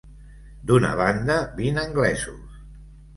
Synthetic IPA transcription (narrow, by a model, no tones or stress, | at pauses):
d̪unə̰β̞and̪əbinəŋɡlɛzus